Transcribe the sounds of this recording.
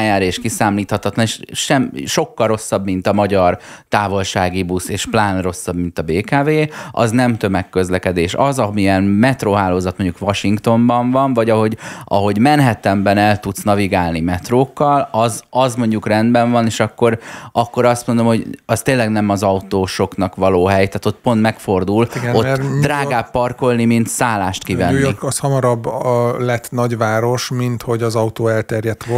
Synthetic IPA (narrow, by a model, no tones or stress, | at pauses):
jaːɾeːʃkisaːmliːt̪hɒt̪ɒt̪lɒneʃʃɛmʃo̞kːɒlro̞sːɒbmint̪ɒmɒɟɒr | t̪aːvo̞lʃaːɡibuseːʃplaːnro̞sːɒbmint̪ɒbeːkaːveːɒ̰znɛmt̪ø̞mɛkːø̞zlɛkɛd̪eːʃɒ̰zɒmiɛnmɛt̪roːɦaːloːzɒt̪mo̞ɲɟukʋɒʃiŋkt̪o̞mbɒɱvɒɱvɒɟɒɦo̞ɟɒ̰ɦo̞ɟmɛnɦɛt̪ɛmbɛnɛlt̪ut̪snɒviɡaːlnimɛt̪roːkːɒlɒzɒzmo̞ɲɟukrɛnd̪bɛɱvɒneːʃɒkːo̞ɾɒkːo̞ɾɒst̪mo̞nd̪o̞mho̞ɟɒst̪eːlːɛɡnɛmɒzɒut̪oːʃo̞knɒkʋɒloːɦɛjt̪aːt̪o̞t̪̚po̞nt̪mɛkfo̞rd̪uliɡo̞t̪ːd̪raːɡaːpːɒrko̞lnimint̪saːlːaːʃt̪kivɛ̰nːiɒshɒmɒɾɒbːlɛt̪nɒɟʋaːɾo̞ʃmint̪ho̞ɟɒzɒut̪oːɛlt̪ɛrjɛt̪ʋo